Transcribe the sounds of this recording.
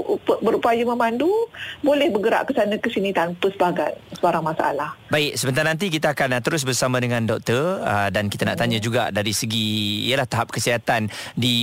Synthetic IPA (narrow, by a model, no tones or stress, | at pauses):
pbəɾupajəməmandubolɛhbəɡəɾa̰ʔkəsanə̃kəsinit̪anpəsəbaɡansəbaɾaŋmãsaʔa̰lahbaɪk̚səbənt̪arnant̪̬ik̬it̪əakant̪əɾʊs̬bərsamãdəŋãndɔk̚t̪ərədankit̪anaʔt̪aɲəd͡ʒuɡa̰daɾisəɡiḭəlaht̪aɦap̚kəsiɦat̪andi